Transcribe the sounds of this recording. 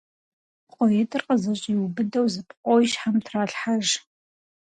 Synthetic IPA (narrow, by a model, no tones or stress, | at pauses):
pqʷʼojɛtʰʼɨrqʼəzɐɕʼiwbɨdɐwzɨpʰqʷʼojiʃħamtʰraːɬħaʒ